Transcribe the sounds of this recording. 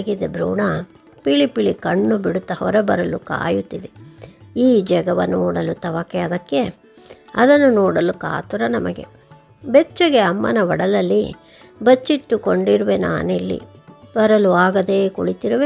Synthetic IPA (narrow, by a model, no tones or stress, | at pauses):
ɡid̪ebɾṵːɳɐ | piɭipiɭikɐɳːubiɽut̪ːɐhɔɾɐbɐɾɐluka̰ːjut̪ːid̪eiːd͡ʒɐɡɐʋɐnoːɽɐlut̪ɐʋɐkːɛɐd̪ɐkːe̞ | ɐd̪ɐnːunoːɽɐluka̰ːt̪uɾɐnɐmɐɡḛ | bet͡ʃːɐɡeɐmːɐnɐʋɐɽɐlɐlːḭ | bɐt͡ʃːiʈːukoɳɖiɾuʋena̰ːnelːḭbɐɾɐluaːɡɐd̪eːkoɭit̪iɾuʋe